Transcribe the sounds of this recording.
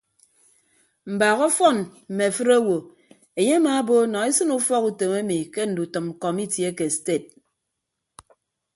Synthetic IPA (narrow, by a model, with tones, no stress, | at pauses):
m̩˨ba˨ɣɔ˦fɔ˦˨nm̩˨me˨fɨ˦ɾa˦wo˨ | e˨ɲe˦a˦ma˨˦bo˦nɔ˨e˦sɨ˦nu˦fɔ˦ku˨te˨me˦mi˨ke˦n̩˨du˨tɨ˨m̩˨kɔ˨mi˦tje˦ke˨ste˦˨t̚